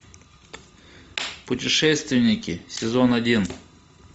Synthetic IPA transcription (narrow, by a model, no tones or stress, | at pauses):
pʊtʲɪʂɛst̪vʲɪnʲɪkʲɪsʲɪzonɐdʲin